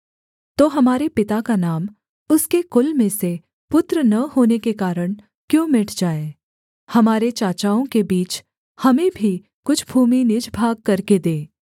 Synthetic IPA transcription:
t̪oːɦɐmaːɾepɪt̪akanaːm | ʊskekʊlmẽse | pʊt̪ɾənɐɦoːnekekaːɾəɽ̃ | kjõːmɪʈʰd͡ʒaːe | hɐmaːɾet͡ʃaːt͡ʃaːõkebiːt͡ʃ | hɐmẽbʱi | kʊt͡ʃʰbʱuːminɪd͡ʒbʱaːɡ̚kɐɾked̪eː

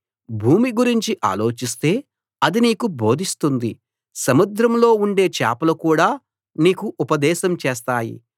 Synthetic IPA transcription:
bʱuːmiɡuɾiɲt͡ʃiʔa̰ːlo̞ːt͡ʃist̪e̞ː | ɐd̪iniːkubʱo̞ːd̪ʱist̪und̪i | sɐmud̪ɾɐmlo̞ːuɳɖe̞ːt͡ʃa̰ːpɐlɐkuːɽaː | niːkuʔupɐd̪ɛːʃɐmt͡ʃeːst̪aːjḭ

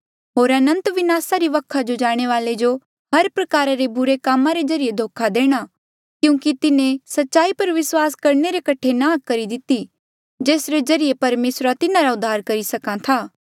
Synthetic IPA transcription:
ɦoːɾɐnə̃nt̪ʋɪnaːsaɾiʋɐkʰːad͡ʒod͡ʒaːɽ̃eʋaːled͡ʒo | ɦɐɾpɾɐkaːɾaɾebʊɾekaːmãɾezɐɾijed̪ʱoːkʰad̪eːɽ̃a | kjũːkit̪ɪnẽsɐtːʃaːipɐɾʋɪswaːskɐɾneɾekɐʈʰenãːkkːɐɾid̪ɪt̪i | d͡ʒeːsɾezɐɾiepɐɾmeːsɾat̪ɪnãɾaʊd̪ʱːaːɾkɐɾisɐkãt̪ʰaː

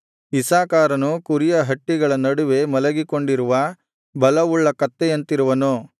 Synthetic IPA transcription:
isaːkaːɾɐnukuɾijɐɦɐʈːiɡɐɭɐnɐɽuʋe̞mɐlɐɡiko̞ɳɖiɾuʋɐ | bɐlɐuɭːɐkɐt̪ːeɐnt̪iɾuʋɐnu

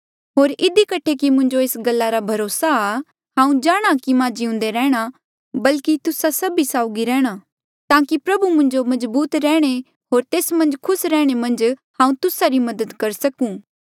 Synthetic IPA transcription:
ɦoːɾɪd̪ikɐʈʰːekimʊ̃ɲd͡ʒoeːsɡɐlːaɾabʱɐɾoːsaː | ɦãːũd͡ʒaːɽ̃akimãːd͡ʒiʊ̃ːn̆d̪eɾɛːɽ̃a | bɐlkit̪ʊsasɐbisaːʊɡiɾɛ̃ːɽ̃a | t̪ãːkipɾɐbumʊ̃ɲd͡ʒomɐzbuːt̪ɾɛːɽ̃e | ɦoːɾt̪eːsmɐ̃nd͡ʒkʰʊsɾɛːɽ̃emɐ̃nd͡ʒhãːũt̪ʊsaɾimɐd̪əd̪kɐɾsɐkũː

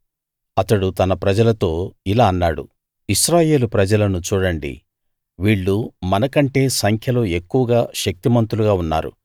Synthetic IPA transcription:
ɐt̪ɐɽut̪ɐnɐpɾɐd͡ʒɐlɐt̪o̞ːilaːɐnːaːɽṵ | iʃɾaːje̞ːlupɾɐd͡ʒɐlɐnut͡ʃuːɽɐɳɖḭ | ʋiːɭːumɐnɐkɐɳʈe̞ːsɐŋkʰjɐlo̞ːe̞kːuʋɐɡaːʃɐk̚t̪imɐnt̪uluɡaːunːa̰ːɾṵ

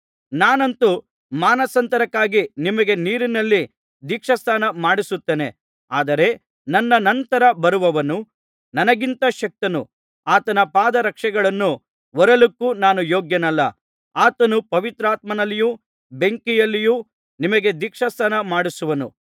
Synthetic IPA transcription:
naːnɐnt̪u | maːnɐsɐnt̪ɐɾɐkːaːɡinimɐɡe̞niːɾinɐlːi | d̪iːkʂɐst̪ʰaːnɐmaːɽisut̪ːeːne̞ | aːd̪ɐɾe̞ | nɐnːɐnɐnt̪ɐɾɐbɐɾuʋɐʋɐnu | nɐnɐɡint̪ɐʃɐk̚t̪ɐnṵ | aːt̪ɐnɐpaːd̪ɐɾɐkʂɛɡɐɭɐnːu | ʋɔɾɐlukːuːnaːnujoːɡjɐnɐlːɐ | aːt̪ɐnupɐʋit̪ɾaːt̪̚mɐnɐlːijuː | beŋkijɐlːijuː | nimɐɡe̞d̪iːkʂɐst̪ʰaːnɐmaːɽisuʋɐnṵ

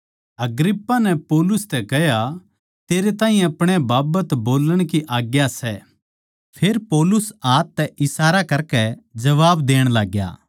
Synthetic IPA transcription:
ɐɡɾɪpːanɛpɔːlʊst̪ɛkɛɦja | t̪eːɾet̪ãːĩjɛ̃ɐpɽ̃ebaːbət̪boːləɽ̃kiʔaːɡjasɛ | pʰeːɾpɔːlʊsaːt̪ːɛʔɪsaːɾakɐɾkɛd͡ʒɐʋaːbd̪eːɽ̃laːɡja̰ː

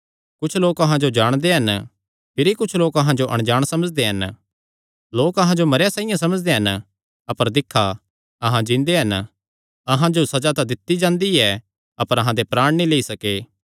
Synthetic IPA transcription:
kʊt͡ʃʰloːkɐɦãd͡ʒod͡ʒaːɽ̃d̪eɦɐn | pʰɪɾikʊt͡ʃʰloːkɐɦãd͡ʒoʔɐ̰̃ɽ̃d͡ʒaːɽ̃sɐməd͡ʒd̪eɦɐn | loːkɐɦãd͡ʒomɐɾjasãːɪjãsɐməd͡ʒd̪eɦɐn | ɐpəɾd̪ɪkʰːa | ɐɦãd͡ʒɪ̃nd̪eɦɐn | ɐɦãd͡ʒosɐd͡ʒat̪ad̪ɪt̪ːid͡ʒãːnd̪iɛ | ɐpəɾɐɦãd̪epɾaːɽ̃nĩleisɐkeː

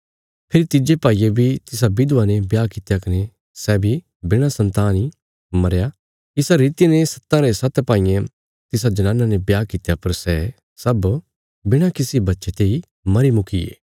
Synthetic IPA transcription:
pʰɪɾit̪ɪd͡ʒepaːiebʱit̪ɪs̬abɪd̪anebjaːkɪt̪jakɐne | sɛːbʱi | bɪɽ̃asɐ̃nt̪aːni | mɐɾja | kɪsaɾiːt̪ijenesɐ̥t̪ːãɾesɐt̪pãːijẽ | t̪ɪs̬ad͡ʒɐnãːnanebjaːkɪt̪japɐɾsɛ | sɐb | bɪɽ̃akɪsibɐtːʃet̪eːi | mɐɾimʊkiḛː

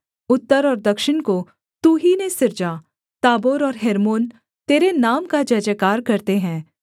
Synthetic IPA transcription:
ʊt̪ːəɾɔːɾd̪ɐkʃɪñko | t̪uɦinesɪɾd͡ʒa | t̪aːboːɾɔːɾɦeːɾmoːn | t̪eːɾenaːmkad͡ʒɐd͡ʒəkaːɾkɐɾt̪eɦɛ̃ː

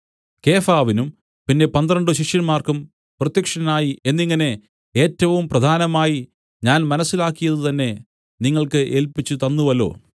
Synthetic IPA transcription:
ke̞ːfaːʋinum | pinːe̞pɐnd̪rɐɳɖɨɕiʂjɐnmaːrkɐm | prɐt̪jɐkʂɐnaːjie̞nːiŋːɐne̞ | e̞ːtːɐʋumprɐd̪ʱaːnɐmaːji | ɲaːnmɐnɐsːilaːkːijɐðɨt̪ɐnːe̞ | niŋːɐɭkɨʔeːlpit͡ɕːɨt̪ɐnːuʋɐlo̞̰ː

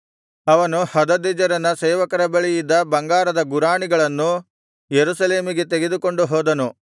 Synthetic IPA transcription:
ɐʋɐnuhɐd̪ɐd̪id͡ʒɐɾɐnːɐseːʋɐkɐɾɐbɐɭijid̪ːɐbɐŋɡaːɾɐd̪ɐɡuɾaːɳiɡɐɭɐnːu | jeɾusɐle̞ːmiɡe̞t̪eɡe̞d̪uko̞ɳɖuɦoːd̪ɐnu

